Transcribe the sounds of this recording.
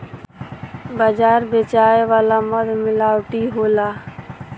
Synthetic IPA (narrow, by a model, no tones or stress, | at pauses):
bad͡ʒaːɾbeːt͡ʃaːeʋaːlaːməd̪mɪlaːwʈiːɦoːlaː